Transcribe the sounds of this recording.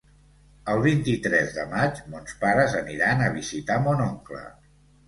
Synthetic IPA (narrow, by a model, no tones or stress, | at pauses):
əlˠβ̞int̪it̪ɾɛzðə̰mad͡ʒmonspaɾəzəniɾanəβizit̪amonɔŋklə̰